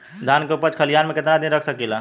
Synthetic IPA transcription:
d̪ʱankeupət͡ʃkʰəlijanmeket̪nad̪inɾəkʰsəkila

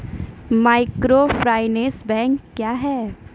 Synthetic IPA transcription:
maːɪkɾofɾaːɪnẽːsbɛ̃ːŋkːjaːɦɛː

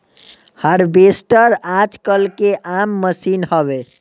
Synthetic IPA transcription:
həɾbesʈəɾad͡ʒkəlkeʔamːəsinhəβe

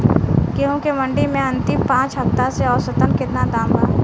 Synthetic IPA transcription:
keɦũkemɐ̃ɳɖimẽɐnt̪ĩpãːt͡ʃɦɐft̪aseɔːɾsɐt̪ənkɪt̪nad̪ãːmbaː

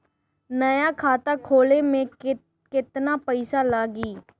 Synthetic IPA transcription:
nəjaːkʰaːt̪aːkʰoːleːmẽː | kɪt̪naːpəɪsaːlaːɡiː

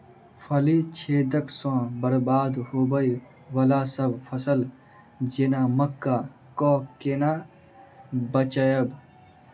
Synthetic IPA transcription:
pʰɐlit͡ʃʰeːd̪əksõːbəɾbaːd̪hoːbəi | wəlasəbpʰəsəl | d͡ʒenaːməkːa | kɔːkena | bət͡ʃəjəb

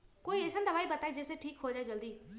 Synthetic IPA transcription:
koiesʰənd̪ɐbaibɐt̪aid͡ʒeseʈʰiːkɦod͡ʒaed͡ʒəld̪iː

